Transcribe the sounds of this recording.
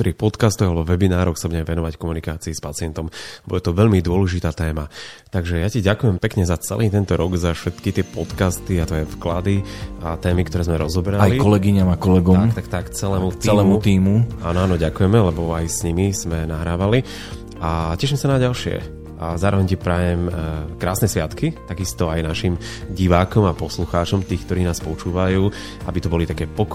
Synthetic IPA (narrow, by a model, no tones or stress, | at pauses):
t̪ɔɾiːxpɔt̪kast̪ɔɣalɛbɔʋɛbinaːɾɔxsabuɲɟɛmɛʋɛnɔʋackɔmunikaːt͡siːspat͡sɪɛnt̪ɔmbɔdɛt̪ɔʋɛʎmid̪ʊɔlɛʒit̪aːt̪ɛːmat̪aɡʒɛjaciɟakujɛmpɛkɲɛzat͡sɛ̰lʔiːt̪ɛnt̪ɔɾɔɡzafʃɛt̪kit̪ɪɛpɔt̪kast̪iat̪ɔjɛfklad̪iat̪ɛːmikt̪ɔɾɛːzmɛɾɔzɔbɾaajlikɔlɛɡiɲamakɔlɛɡɔakt̪akt̪akt͡sɛlɛːmut̪t͡siɛlɛːmut̪iːmuaːnɔanɔɟakujɛmɛlɛbɔajsɲimiz̥mɛnaɦɾaːʋali | acɛʃimsanaɟalʃɪɛ̰ | zaːɾɔʋɛɲcɛpɾaːjɛmkɾaːsnɛsʋɪat̪kit̪aɡist̪ɔajnaʃim | ɟiʋaːkɔmapɔsluxaːt͡ʃɔmt̪iːxkt̪ɔɾiːnaːspɔt͡ʃuːʋajuː | abit̪ɔbɔlit̪akɛːpɔk